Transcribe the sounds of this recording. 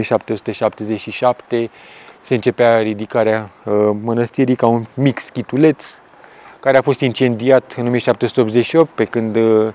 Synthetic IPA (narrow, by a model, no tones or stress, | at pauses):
ieʃapt̪eosu̥t̪əʃap̚t̪e̞zet͡ʃʲʃiʃapt̪e̞se̞ɨnt͡ʃe̞peaɾid̪ikaɾeamənəst̪iɾijkaunmikskʲit̪ule̞t̪s | kaɾeafo̞st̪int͡ʃe̞nd̪iat̪ɨnomieʃap̚t̪eosut̪eopzeʃio̞p̚t̪̚pe̞kɨnd̪